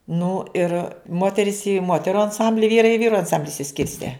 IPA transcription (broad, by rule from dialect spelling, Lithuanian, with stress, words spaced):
nʊ ɪr ˈmoːtʲɛrʲɪs ˈeːjoː ɪ ˈmoːtʲɛrʊ ɐnˈsɐmʲbʲlʲɪ ˈʋʲiːrɐɪ ɪ ˈʋʲiːrʊ ɐnˈsɐmʲbʲlʲɪ ɪʃʲsʲɪˈsʲkʲɪrʲsʲtʲɛ